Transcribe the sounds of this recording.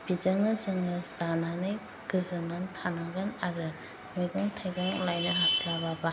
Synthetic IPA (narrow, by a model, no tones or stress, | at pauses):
b̥izaŋnɯzɯŋɯstananɯj | ɡɯzɯŋantʰanaɡanaɡɯ | mojɡɯŋtʰajɡaŋlajnɯɦaslababa